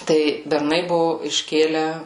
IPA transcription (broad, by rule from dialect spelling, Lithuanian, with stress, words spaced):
ˈtɐɪ bʲɛrˈnɐɪ ˈbʊʋoː ɪʃʲˈkʲeːlʲæː